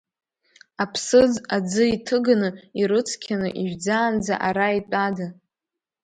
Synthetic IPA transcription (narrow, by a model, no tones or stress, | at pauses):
apʰsɨd͡zad͡zɨitʰɨɡanɨiɾɨt͡sʰkʲʰanɨʔiʒᶣd͡zaːnd͡zaʔaɾaitʼada